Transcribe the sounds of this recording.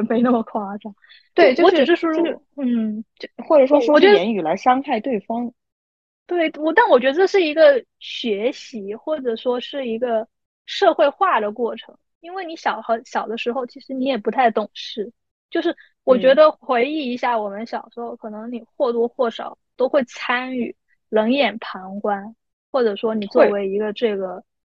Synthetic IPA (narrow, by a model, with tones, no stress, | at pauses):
ɛ˩me˧˥ɪnə˥˩mə˩kʰwa˥ʈ͡ʂa˥˩ | t̪we˥˧˩jo˥˧wʈ͡ʂ̩˨˩ʂɻ̩˥˩ʂɔ˥ | n̩˥˩t͡ɕxwɔ˥˩ʈ͡ʂɤ˨˩ʂwɔ˥ʂwɔ˥ɔ˨˩t͡ɕɥɛ˥ɛ˧˥ny˨˩la˧˥ɪʂɑ˥ŋxa˥˧ɪt̪we˥˩ɪfɑ˥ŋ | t̪we˥˩ɪ˥wɔ˨˩t̪a˥˩nwɔ˨˩t͡ɕɥɛ˧˥d̪ə˧ʈ͡ʂɤ˥˧ʂ̬ɻ̩˥˩i˧˥ɡə˧ | ɕɥɛ˧˥ɕi˧˥xwɔ˥˩ʈ͡ʂɤ˨˩ʂwɔ˥ʂɻ̩˥˩i˧˥ɡə˧ | ʂɤ˥˧xwe˥˧ɪxwa˥˩d̪ə˩kwɔ˥˩ʈ͡ʂʰɤ˧˥ŋ | i˥nwe˥˩ɪni˧˥ɕjɑ˨˩ʊxɑ˧˥ɕjɑ˨˩ʊd̪ə˦ʂɻ̩˧˥xo˧ʊt͡ɕʰi˧˥ʂɻ̩˧˥ni˧˥jɛ˨˩pu˧˥t̪ʰa˥˩ɪt̪ʊ˨˩ŋʂɻ̩˥˩ | t͡ɕjo˥˧ʊʂɻ̩˥˩ | wɔ˨˩t͡ɕɥɛ˧˥d̪ə˧xwe˧˥ɪi˥˩i˧˥ɕja˥˩wɔ˨˩mə˧˦nɕjɑ˨˩ʊʂɻ̩˧˥xo˥˧ʊkʰɤ˨˩nɤ˧˥ŋni˨˩xwɔ˥˩t̪wɔ˥˧xwɔ˥˩ʂɑ̰˨˩˦ʊt̪o˥ʊxwe˥˩ɪt͡sʰa˥ny˥˩ | lɤ˧˥ŋjɛ˨˩npʰɑ˧˥ŋkwa˥n | xwɔ˥˩ʈ͡ʂɤ˨˩ʂwɔ˥ni˨˩t͡swɔ˥˩we˧˥ɪi˧˥ɡə˧ʈ͡ʂɤ˥˩ɡə˩